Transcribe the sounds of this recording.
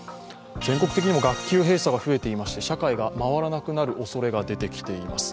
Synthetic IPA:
kẽ̞ŋko̞kɯ̟̥t̪ekʲiɲ̟imo̞ɡakʲːɨːɦe̞ːsaɡaɸɯ̟e̞t̪e̞imaɕi̥t̪e̞ɕakaiɡamaβ̞aɾanakɯ̟naɾɯ̟ʔo̞so̞ɾe̞ɡad̪e̞t̪e̞kʲi̥t̪e̞ima̰sɨ̥

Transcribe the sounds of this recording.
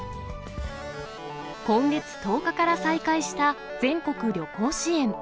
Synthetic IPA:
kõ̞ŋɡe̞t͡sɨ̥t̪o̞ːkakaɾasaikaiɕi̥t̪a | d͡zẽ̞ŋko̞kɯ̟ɾʲo̞ko̞ːɕiẽ̞ɴ

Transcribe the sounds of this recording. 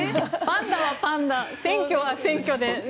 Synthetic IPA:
pãnd̪aβapãnd̪asẽ̞ŋkʲo̞βasẽ̞ŋkʲod̪e

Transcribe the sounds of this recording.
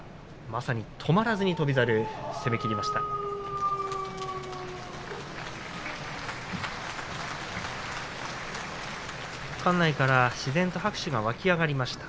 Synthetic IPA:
masaɲ̟it̪ʰo̞maɾazɨɲ̟it̪o̞bʲizaɾɯ̟se̞me̞kʲiɾʲimaɕi̥t̪a | kãnːaikaɾaɕizẽ̞nt̪o̞hakɯ̟̥ɕiɡaβakʲiaɡaɾʲimaɕi̥t̪ḁ

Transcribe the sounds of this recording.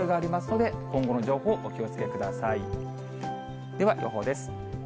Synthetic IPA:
ɾiɡaːɾʲimasɨno̞d̪e̞kõ̞ŋɡo̞no̞ʑo̞ːho̞ːʔokʲiot͡sɨ̥ke̞kɯ̟d̪asai | d̪̥e̞βajʔo̞̰ɦo̞ːd̪e̞sɨ̥

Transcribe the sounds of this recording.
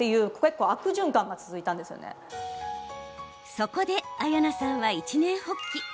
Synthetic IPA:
t̪ejɯ̟ːkke̞kːo̞ːakɯ̟ʑɨ̃ŋkãŋɡat͡sɨzɨit̪ãnd̪e̞sɨjo̰nḛ | so̞ko̞d̪e̞ajanasãɰ̃βait͡ɕinẽ̞ɰ̃hokʲːi

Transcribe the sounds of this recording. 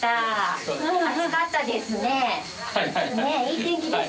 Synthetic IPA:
t̪aɯ̃ɴakat̪ːad̪esɨne | aneit̪ẽŋkie

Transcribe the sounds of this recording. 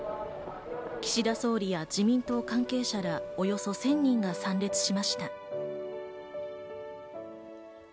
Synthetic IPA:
kʲi̥ɕid̪aso̞ːɾʲijad͡ʑimʲĩnt̪o̞ːkãŋke̞ːɕaɾao̞jo̞so̞sẽ̞ɲ̟ːĩŋɡasãnɾʲe̞t͡sɨ̥ɕimaɕi̥t̪a

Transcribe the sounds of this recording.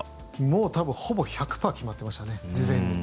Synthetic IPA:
moːt̪abɯ̟̃ho̞bo̞çakɯ̟̥paːkʲimat̪ːe̞maɕi̥t̪ane̞d͡ʑizẽɲ̟ːi

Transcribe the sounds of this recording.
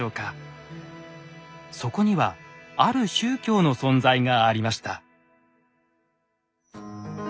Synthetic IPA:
o̞ːka | so̞ko̞ɲ̟iβaaɾɯ̟ɕɨːkʲo̞ːno̞sõ̞nd͡zaiŋaːɾʲimaɕi̥t̪a

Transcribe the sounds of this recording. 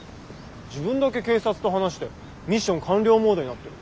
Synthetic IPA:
d͡ʑibɯ̟̃nd̪ake̞ke̞ːsat͡sɨ̥t̪o̞ɦanaɕi̥t̪e̞ | mʲiɕːõ̞ŋkãnɾʲo̞ːmoːd̪oɲ̟inat̪ːe

